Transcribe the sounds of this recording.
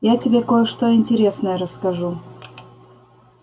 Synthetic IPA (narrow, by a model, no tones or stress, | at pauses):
jatʲɪbʲekojəʂt̪oɪnʲtʲɪɾʲe̞snəjəɾəskɐʐu